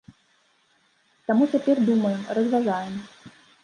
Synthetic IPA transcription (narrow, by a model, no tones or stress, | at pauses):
t̪amut͡sʲapʲɛrd̪uməjɛmrəzvʲazajɛm